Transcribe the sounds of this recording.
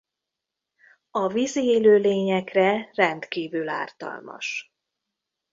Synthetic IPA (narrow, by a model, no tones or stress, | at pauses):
ɒvizieːløːleːɲɛkrɛrɛnt̪kiːvyla̰ːrt̪ɒ̰lmɒ̰ʃ